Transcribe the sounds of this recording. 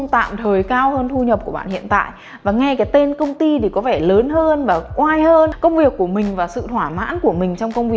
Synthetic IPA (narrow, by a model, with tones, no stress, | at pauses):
ŋ͡mt̪a̰ː˧˨mt̪ʰəː˨˩jkaː˧whəː˧nt̪ʰu˧ɲə˨˩p̚ku˧˩əɓa̰ː˧˨hḭ˧˨ənt̪a̰ː˧˨jʔ | vaː˨˩ŋɛ˧jkaː˨˦jt̪e˧nkə˧wŋ͡mt̪i˧t̪i˨˩kɔ˨˦vɛ˧˩ləː˨˦nhəː˧nvaː˨˩kwaː˧jhəː˧nkə˧wŋ͡mvi˨˩əkːu˧˩əmï˨˩ŋ̟vaː˨˩sɨ̰˧˨t̪ʰwaː˧˩ma̰ː˧˥nku˧˩əmï˨˩ŋ̟t͡ɕɔ˧wŋ͡mkə˧wŋ͡mvi˨˩